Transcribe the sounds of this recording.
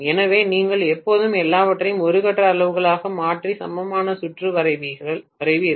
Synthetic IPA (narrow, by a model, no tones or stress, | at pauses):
ɛnɐʋeːniːŋɡɐɭɛpːoːðɯmɛlːaːʋɐʈrɐjɯmɔɾɯɣɐʈːrɐːɭɐʋɯɣɐɭaːɣɐmaːʈrisɐ̰mbɐmaːnɐsʊʈrɯɐɐʋiɐʋɐɾɐɪʋɯɪɾɯ